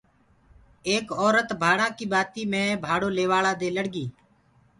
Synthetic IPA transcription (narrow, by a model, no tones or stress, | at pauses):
eːkɔːɾət̪bʱaːɽãːkiːɓaːt̪iːmẽːbʱaːɽoːleːʋaːɭaːd̪eːləɽɡiː